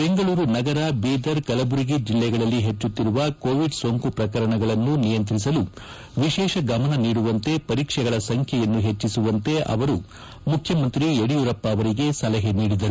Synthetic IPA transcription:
be̞ŋɡɐɭuːɾunɐɡɐɾabiːd̪ɐɾkɐlɐbuɾiɡid͡ʒilːɛɡɐɭɐlːiɦe̞t͡ʃːut̪ːiɾuʋɐkoːʋiɖsoŋkupɾɐkɐɾɐɳɐɡɐɭɐnːunijɐnt̪̬ɾis̬ɐlu | ʋiʃɛːʃɐɡɐmɐnɐniːɽuʋɐnt̪e̞pɐɾiːkʂɛɡɐɭɐsɐŋkʰjɛjɐnːuɦe̞t͡ʃːisuʋɐnt̪e̞ʔɐ̰ʋɐɾu | mukʰjɐmɐnt̪ɾieɽijuɾɐpːɐːʋɐɾiɡe̞sɐlɐɦeniːɽid̪ɐɾu

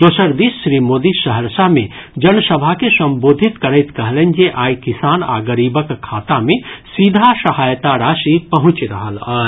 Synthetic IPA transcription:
d̪oːsəɾd̪isːɾimoːd̪isəɦəɾsamẽ | d͡ʒɐnsəbʱakesɐ̃mboːd̪ʱit̪kəɾət̪kɐɦlend͡ʒeʔaːjkisaːna̰ːɡəɾiːbəkkʰːaːt̪amẽsid̪ʱasɐhaːjt̪aɾaːʃipɐɦʊ̃t͡ʃɾɐ̰ɦəlɐːɾ

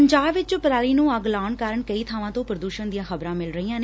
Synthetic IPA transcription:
əɲd͡ʒaːbʋɪt͡ʃpɾaːliːnũːəɡlaːɳkaːɾəɳkəiːt̪ʰaːʋãːt̪õːpɾəd̪uːʃənd̪ijãːxəbɾãːmɪlɾəiːãːneː

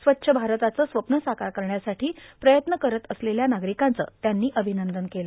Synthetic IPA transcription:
sʋət̪ːɕʰəbʱaɾt̪at͡səːsʋəpnəsakaɾkəɾɳjasaʈiːpɾəjət̪nəkəɾət̪əsleljanaɡɾikant͡sə̰ːt̪janːiːʔəbʱinənd̪ənkelə

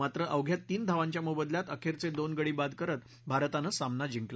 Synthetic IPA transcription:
at̪ɾəʔəwɡʱjat̪ːiːnd̪ʱaʋaɲt͡ɕjamubəd̪ljat̪əkʰeɾt͡sed̪onɡəɽiːbad̪kəɾət̪ | bʱaɾət̪anəsamnad͡ʑiŋkl

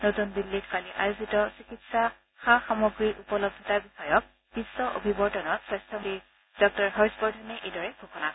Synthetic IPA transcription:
notunbilːitʰkaliʔa̰jozitɔsikitsa | xaxamɔɡɹiʔupɔlɔb̚d̪ʱɔtabixɔjɔk̚ | b̥isːɔʔo̰bʱibɔɹtɔnɔtsɹɛstʰɔi | d̥ɔk̚tɔɹɦɔɹispɔɹdʱɔnɛʔejdɔɹɛbʱokɔna

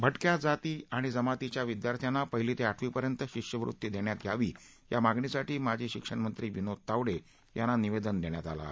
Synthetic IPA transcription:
bʱəʈkjad͡zat̪iːaɽ̃id͡zəmat̪it͡ɕjaʋid̪jaɾt̪ʰjanːapəɦilit̪eaʈʰʋiːpəɾjənt̪əɕikʂjəʋɾṵt̪jid̪eɳjat̪jaʋiː | jamaɡɳisaʈiːmad͡ʑʱiɕikʂəɳmənt̪ɾiːʋinot̪aʋɽe | janːaniʋed̪ənd̪eɳjat̪a̰la̰

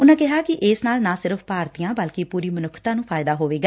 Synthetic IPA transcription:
ʊnãːkɪɦaːkɪʔɪːsnaːlnãːsɪɾəfʰpaːɾt̪ijãːbəlkipuːɾiːmənʊkʰt̪ãːnũːpʰaːɪd̪aːɦoːʋeːɡaː

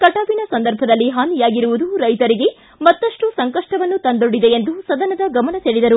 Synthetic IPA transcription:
kɐʈaːbinɐsɐnd̪ɐɾbʱɐd̪ɐlːiɦaːnijaːɡiɾuʋud̪uɾɐjt̪ɐɾiɡe̞ | mɐt̪ːɐʂʈusɐŋkɐʂʈɐʋɐnːut̪ɐnd̪oɽid̪eend̪usɐd̪ɐnɐd̪ɐɡɐmɐnɐseːɭid̪ɐɾu

